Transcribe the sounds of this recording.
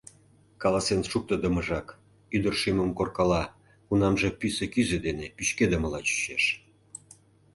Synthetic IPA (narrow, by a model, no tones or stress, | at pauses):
kɑlɑsenʃuk̚t̪ə̆d̪ə̆məʒɑk | yd̪ərʃiməmkorkɑlɑ | kunɑmʒĕpysĕkyzĕd̪enepyt͡ɕked̪əməlɑt͡ɕy̥ɕeʃ